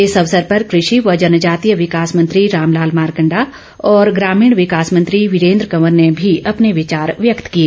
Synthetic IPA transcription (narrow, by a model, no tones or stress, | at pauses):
ɪsɐʋsəɾpɐɾkɾɪʃiʋɐd͡ʒɐnəd͡ʒaːt̪ijəʋɪkaːsmɐ̃nt̪ɾiɾaːmlaːlmaːɾkə̃ɳɖa | ɔːɾɡɾaːmiːɽ̃ʋɪkaːsmə̃nt̪ɾiʋɪɾẽːnd̪ɾəkɐʋəɾnebʱiʔɐpneʋɪt͡ʃaːɾʋjəkt̪kieː